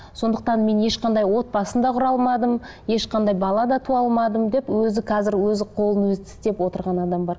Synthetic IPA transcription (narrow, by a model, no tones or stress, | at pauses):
so̞nd̪əq̚t̪ɑnme̞nje̞ʃqɑnd̪ɑjwo̞t̪̚pɑsənd̪ɑqʰʊɾɑlˠmɑd̪əm | je̞ʃqɑnd̪ɑjbɑlˠɑd̪ɑt̪ʰuɑlˠmɑd̪əmd̪e̞pwɵzɪqʰɑzɪɾwɵzɪqʰo̞lˠənwɵzɪt̪ʰɪ̥st̪e̞pwo̞t̪əɾʁɑnɑd̪ɑmbɑɾ